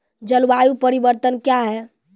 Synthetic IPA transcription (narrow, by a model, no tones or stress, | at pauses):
d͡ʒəlʋajupəɾibəɾt̪ənkjaɦɛ